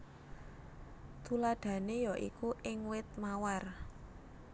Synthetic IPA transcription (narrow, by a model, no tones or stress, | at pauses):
t̪ulaɖ̪̥ä̤nejɔʔḭkuʔɪŋwɪt̪̚mawar